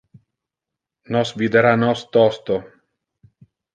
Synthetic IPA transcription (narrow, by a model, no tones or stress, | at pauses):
nɔsvid̪eɾanɔst̪ɔst̪o